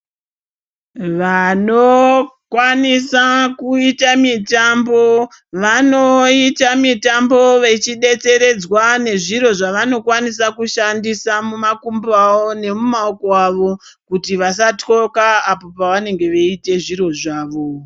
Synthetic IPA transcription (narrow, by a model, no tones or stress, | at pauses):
ʋanokwanisakuitamitambo̞ | ʋanoitamitambo̞ʋe̞t͡ʃiɗe̞t͡se̞ɾe̞d͡zwane̞ʐiɾo̞ʐaʋano̞kwanisakuʃandisamumakumbaʋone̞mumaokoaʋo̞ | kutiʋasato̞kaːpo̞paʋane̞ŋɡe̞ʋeite̞ʐiɾo̞ʐaːʋo̞